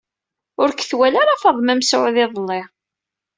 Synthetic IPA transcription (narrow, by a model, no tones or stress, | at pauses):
ʊɾkːθwælaɾafɑðˤmæmsʊʕðɪðˤlːɪʁ